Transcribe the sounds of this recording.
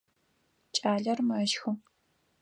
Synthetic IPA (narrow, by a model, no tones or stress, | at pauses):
t͡ʃʼaːɮɐrmɐʃxɨm